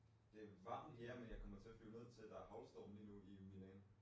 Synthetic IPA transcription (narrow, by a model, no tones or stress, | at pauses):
d̥e̝ʋɑ̈n̩ɦeɐ̰menjɑ̈ɪkɒ̽m̰ɐt͡sʰe̝ɐflyːne̝ð̰ˠt͡sʰe̝ld̥ɑ̈æɐɦɑ̈ʊlsd̥ɒ̰ːn̩linuiminen